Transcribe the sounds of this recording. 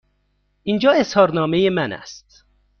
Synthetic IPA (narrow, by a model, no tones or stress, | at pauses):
ʔind͡ʒɒːeshɒːɾnɒːmejemænæ̰st̪̚